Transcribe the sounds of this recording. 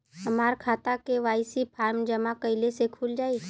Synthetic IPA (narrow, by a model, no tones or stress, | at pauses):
ɦɐmaːɾkʰaːt̪akeʋaːɪsipʰaːɾmd͡ʒəmakɐɪlesekʰuːld͡ʒaːi